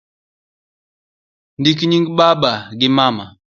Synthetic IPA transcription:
ndikiɲiŋɡiɓabaɡimama

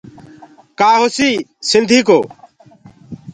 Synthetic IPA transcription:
kaːɦosiːsɪnd̪ʱiːkoː

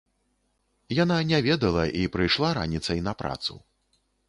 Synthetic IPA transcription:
jananʲɛvʲɛd̪ɐlˠɐʔipɾɨjʂlˠaɾa̰nʲit̪sɐjnɐpɾa̰t̪sṵ

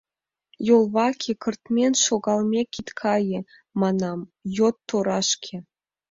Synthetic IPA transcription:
jolˠβɑkʲʰikɤ̆rt̪mʲenʲʃoɡɑlˠmʲekʲit̪kʰɑjĕ | mɑnɑmjot̪ːoɾɑʃkʲʰĕ

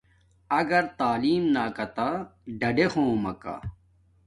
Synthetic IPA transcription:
ɐɡɐɾt̪aːliːmnaːkɐt̪aɖɐɖexõːmɐka̰

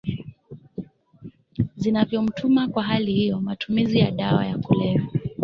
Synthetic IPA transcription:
zinavjɔm̩tʰumakwaɦalihijɔmatʰumizijaɗawa̰jakulɛvɛ

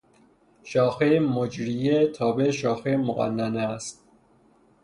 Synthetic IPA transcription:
ʃɒːxemod͡ʒɾijet̪ʰɒːbeʃɒːxemoɣæ̰nːænæst̪̚

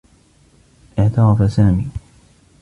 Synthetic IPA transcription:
ʔɪʕt̪ɑɾˤɑfasaːmiː

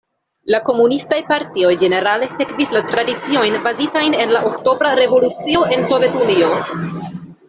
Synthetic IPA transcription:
lako̞munistajpaɾtio̞jd͡ʒe̞ne̞ɾale̞se̞kvislatɾadit͡sio̞jnbazitajne̞nlaʔo̞kto̞bɾaɾe̞vo̞lut͡sio̞ʔe̞nso̞vje̞tunio̞

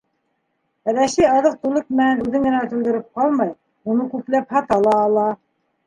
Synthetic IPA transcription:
ɾæʃijɑðɤq̚t̪ulˠɤk̚mɘ̆nænʉðɘŋɡɘ̆næt̪uld̪ɘ̆ɾɘp̚qɑlˠmɑj | unɤkʉplæphɑt̪ɑlˠɑːlˠɑ

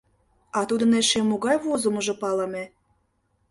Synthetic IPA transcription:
ɑt̪ud̪ə̆neʃemoɣɑjβozəmə̆ʒŏpɑlɑmʲe

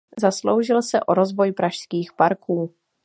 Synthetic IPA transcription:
zaslo̞wʒɪlsɛʔoɾo̞zvo̞jpɾʔaʃskiːxpaɾkuː

